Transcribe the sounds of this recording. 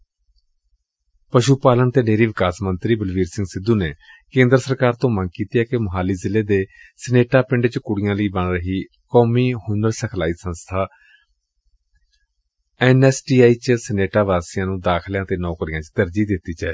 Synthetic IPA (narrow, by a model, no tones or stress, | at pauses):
pəʃuːpaːlənt̪eːneːɾiːʋɪkaːsmənt̪ɾiːbəlʋiːɾsɪ̃ŋɡsɪd̪ːuːneː | kẽːnd̪ɾəsəɾkaːɾt̪õːməŋɡkiːt̪iːɛːkeməɦaːliːzɪlːeːd̪eː | səneːʈaːpɪɳɖt͡ʃkʊɽɪjãːləiːbəɳɾəɦiː | kɔːmiːhʊnəɾsəkʰlaːiːsə̃nst̪ʰaː | ɛnɛːsʈiːaːiːt͡ʃsəneːʈaːʋaːsɪjãːnũːd̪aːkʰljãːt̪eːnɔ̃ːkʊɽɪjãːt͡ʃt̪əɾd͡ʒiːd̪ɪt̪ːiːt͡ʃaː